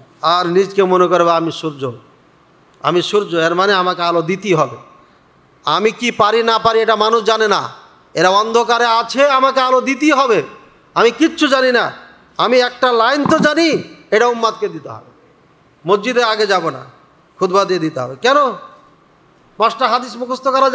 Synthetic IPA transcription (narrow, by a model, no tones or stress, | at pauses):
aɾnid͡ʑkemonekoɾebaamiʃuɾd͡ʑo | a̰miʃuɾd͡ʑoeɾmaneamakealod̪it̪iɦɔbe | a̰mikipaɾinapaɾieʈamanuʃd͡ʑanena̰ | eɾaɔnd̪ʱokaɾeat͡ɕʰeamakealod̪it̪̬iɦɔbe | amikitːʰud͡ʑanina | amiɛk̚ʈalajnt̪od͡ʑanieʈaumːat̪ked̪it̪eɦɔ̰be | mod͡ʑid̪eɾaɡed͡ʑabona̰ | kʰud̪bad̪ied̪it̪eɦɔ̰bekɛno | mɔʃʈaɦad̪iʃmukust̪okaɾa